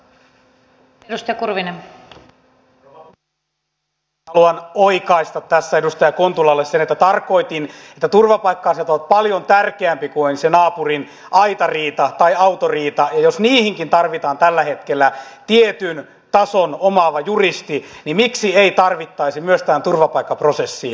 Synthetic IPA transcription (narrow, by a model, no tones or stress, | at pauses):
edust̪ɑjɑkurʋinem | hɑluɑnoikɑist̪ɑt̪tæsːæedust̪ɑjɑkont̪ulɑlːessenet̪ːæt̪ɑrko̞it̪inet̪ːæt̪urʋɑpɑikːɑːset̪olt̪̚pɑljont̪ærkeæmpikuonsenɑːpurin | ɑit̪ɑriːt̪ɑt̪ɑiɑut̪oriːt̪ɑjɑjosniːhiŋkint̪ɑrʋit̪ɑːnt̪ælːæhet̪kelːæt̪iet̪yn | t̪ɑsonomɑʋɑjurist̪inimiksieit̪ɑrʋit̪ːɑisimyøst̪æːnt̪urʋɑpɑikːɑprosesːi